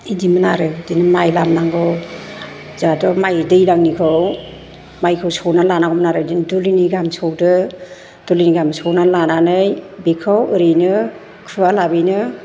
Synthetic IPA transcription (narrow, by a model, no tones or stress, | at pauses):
idimɯnaɾɯdinɯmajlamnaŋɡɔw | zadɔmajdɯjlaŋnikʰɯw | majkʰɯwsɔwnalanakʰɔmnaɾɯdinduliniɡamsɔwdɯ | d̥uliniɡamsɔwnalananɯjbekʰawɯɾɯjnɯ | kʰɯwalabɯjnɯ